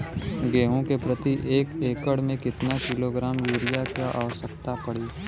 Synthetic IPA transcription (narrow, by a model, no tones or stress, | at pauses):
ɡeːɦõkepɾət̪iʔeːkeːkəɽmẽkɪt̪nakɪloɡɾaːmjuːɾijakjaʔaːʋəʃəkt̪apɐɽiː